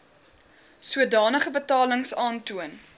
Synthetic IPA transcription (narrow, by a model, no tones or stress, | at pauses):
suədɑːnəχəbətɑːləŋsɑːntuən